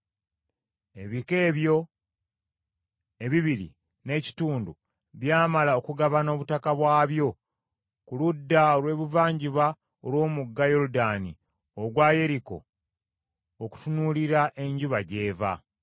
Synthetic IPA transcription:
e̞βike̞ːβjo̞ | e̞βiβiɾḭ | ne̞ːci̥tuːndu | βjaːmalao̞kuɡaβano̞ːβutakaβwaːβjo̞ | kuludːaolwe̞ːβuvaːɲɟiβa | olwo̞ːmuɡːajo̞ɾudani | oɡwaːje̞ɾiko̞̰ | oku̥tunuliɾaʔe̞ɲɟuβaɟe̞ːva̰

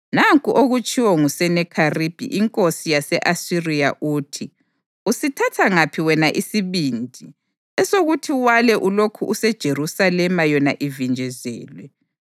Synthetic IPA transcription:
naŋkʼuʔoɣut͡ʃʰʼiwɔŋusɛnɛkʰarib̥ʱḭʔiŋkʼosijasɛʔasirija̰ʔuːtʰi | usitʰatʰaŋapʰiwɛnaʔisiβind͡ʒʱi | ɛsoɣutʰiwalɛʔulokʰuʔusɛd̥ʒ̥ʱerusalɛmajɔnaʔivind͡ʒʱɛzɛ̰ːlwɛ

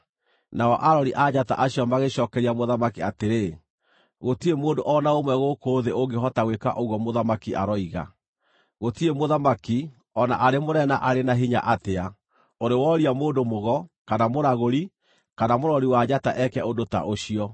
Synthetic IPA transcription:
naɔʔaɾɔɾiʔad͡ʑata̰ʔaɕiɔmaɣeɕɔːkɛɾiamoðamakiateɾe | ɣotiemoːndoʔɔnaomwɛɣokoːðeʔoŋɡeɦɔtaɣweka̰ʔoɣwɔmoðamakiʔaɾɔiɣa̰ | ɣotiemoðamaki | ɔnaʔaɾemoɾɛnaʔaɾenaɦiɲa̰ʔatea | oɾewɔɾiamoːndomoɣɔkanamoɾaɣoɾi | kanamoɾɔɾiwad͡ʑataʔɛkɛodota̰ʔoɕiɔ

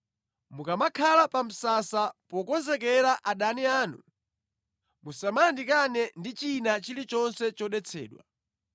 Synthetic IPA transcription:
mukamakʰalapam̩sasapɔkɔzɛkɛɾaʔaɗaniaːnṵ | musamandikanɛndit͡ʃinat͡ʃilit͡ʃɔnsɛt͡ʃɔɗɛt͡sʰɛ̰ːɗwa̰

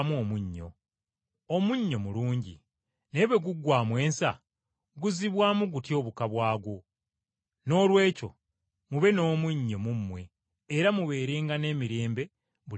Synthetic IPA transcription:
muomuɲːo̞̰ | omuɲːo̞muluːɲɟḭ | ne̞βwe̞ɡuɡːwaːmwe̞ːnsa̰ | ɡuziβwaːmuɡutjo̞ːβukaβwaːɡo | no̞ːlwe̞ːco̞̰ | muβe̞no̞ːmuɲːo̞mumːwe̞ː | ɾamuβe̞ːɾe̞ːŋɡane̞ːmiɾe̞ːmbe̞ | βu

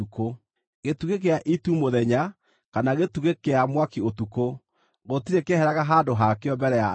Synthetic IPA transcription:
uko | ɣetuɣek̬eaʔitumoðɛɲa | kanaɣetuɣekeamwakiotuko | ɣotiɾekehɛɾaɣaɦaːndoɦakeɔmbɛɾɛa

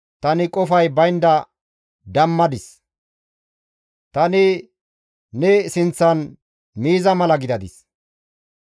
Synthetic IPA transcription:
t̪ɐnɪkʼɔfɐjbɐjnd̪ɐ | d̪ɐmːɐd̪ɪs | t̪ɐnɪ | nɛsɪnt͡sːɐn | miːzɐmɐlɐɡɪd̪ɐd̪ɪs

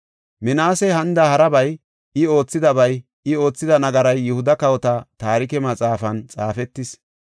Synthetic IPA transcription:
mɪnaːsɛɦɐnd̪ɐhɐɾɐbɐj | ɪo̞ːt͡sːɪd̪ɐbɐj | ɪo̞ːt͡sːɪd̪ɐnɐɡɐɾɐjːɛhʊd̪ɐkɐwɔt̪ɐt̪aːɾɪkɛmɐt͡sʼaːfɐnt͡sʼaːfɛt̪ːɪs

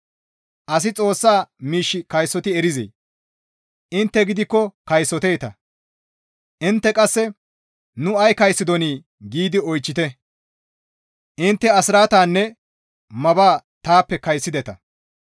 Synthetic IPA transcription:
ʔɐs̬ɪt͡sʼo̞ːsːaːmiːʃːɪkɐjsːɔt̪ɪɛɾɪzḛː | ʔɪnt̪ːɛɡɪd̪ɪkːɔkɐjsːɔt̪eːt̪ɐ | ʔɪnt̪ːɛkʼɐsːɛ | nʊɐjkɐjsːɪd̪ɔniː | ɡiːd̪ɪɔjt͡ʃːɪt̪ɛ | ʔɪnt̪ːɛɐsɪɾaːt̪aːnːɛ | mɐbaːt̪aːpːɛkɐjsːɪd̪ɛt̪ɐ

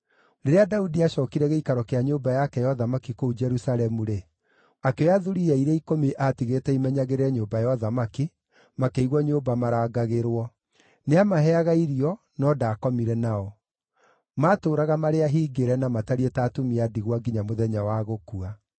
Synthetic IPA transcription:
ɾeɾeadaudiaɕɔːkiɾɛɣeikaɾɔkeaɲoːbajakɛjɔðamakikoud͡ʒɛɾusalɛmuɾe | akeaðuɾiaiɾeikomiʔatiɣetɛimɛɲaɣeɾɛɲoːbajɔðamaki | makeiɣwɔɲoːbamaɾaːɡaɣeɾwɔ | neamaɦɛaɣaiɾiɔ | nɔdaːkɔmiɾɛnaɔ | maːtoːɾaɣamaɾeaɦiːɡeɾɛnamataɾiɛtaːtomiadiɣwaɡiɲamoðɛɲawaɣokua

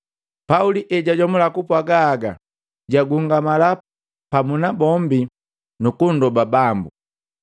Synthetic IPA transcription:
pauliʔɛɟaɟɔmulakupwaɡaːɡa | ɟaɡuŋɡamala | pamunabɔmbi | nukundɔbabambu

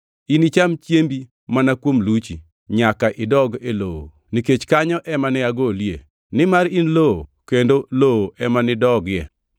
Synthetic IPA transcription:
init͡ʃamt͡ʃjembi | manakwomlut͡ʃi | ɲakaʔɪdɔɡeloo̰ | niket͡ʃkaɲɔʔɛmanɪaɡoljḛ | nɪmaɾinlookendolooʔɛmanɪdɔɡjɛ

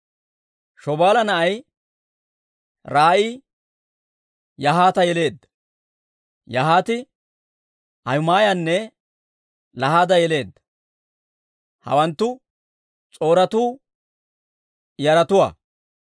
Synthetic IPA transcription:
ʃɔbaːlɐnɐʔɐj | ɾaːʔiː | jɐɦaːt̪ɐjɛle̞ːd̪ːɐ̥ | jɐɦaːt̪ɪ | ʔɐjʊmaːjɐnːɛ | lɐhaːd̪ɐjɛle̞ːd̪ːɐ̥ | hɐ̰wɐnt̪ːʊ | t͡sʼo̞ːɾɐt̪uː | jɐɾɐt̪ʊwa̰ː

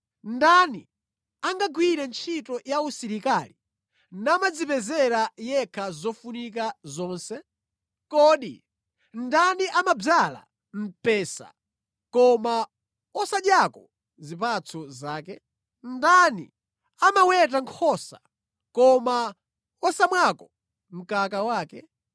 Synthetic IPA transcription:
ndanḭ | aŋɡaɡwiɾɛnt͡ʃʰitɔjausiɾikaːlḭ | namad͡zipɛzɛɾajɛkʰazɔfunik̬azɔːnsɛ | kɔːɗḭ | ndaniʔamab͡ʐala̰ | m̩pɛsa̰ | kɔma | ɔsaɗjakɔ | zipat͡sʰɔzaːkɛ | ndanḭ | amawɛt̬aŋkʰɔsa | kɔma | ɔsamwakɔ | m̩kakawaːkɛ

